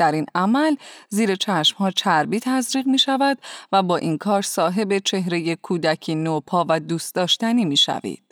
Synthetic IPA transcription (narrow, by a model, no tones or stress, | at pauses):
d̪̥æɾinæmælziːɾe̞t͡ʃʰæʃmhɒːt͡ʃʰæɾbiːt̪ʰæzɾiːɣmiːʃævæd̪væbɒːʔinkʰɒːɾsɒːɦe̞be̞t͡ʃʰe̞ɦɾe̞je̞kʰuːd̪æcʰiːnopʰɒːvæd̪uːst̪̚ɒːʃt̪æniːmiːʃæ̰vḭːd̪̥